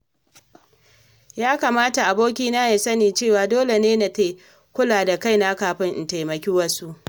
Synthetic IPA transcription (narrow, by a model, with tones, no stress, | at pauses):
jaː˦ka˨maː˦ta˨ʔa˨boː˦kʲiː˦naː˦ja˨sɐ˦niː˨t͡ʃeː˦˨waː˨doː˦le˨neː˦na˨ta˦ | kʷʊ˦laː˨da˨ka˦jna˦kaː˨ɸɪ˦ŋʔɪ˨ta˨jmɐ˨kʲiː˦wɐ˦su˦ʔ